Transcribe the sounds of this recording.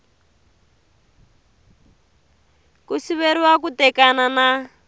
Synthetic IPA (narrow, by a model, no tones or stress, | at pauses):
kusiβeɾiwak̬utɛkanana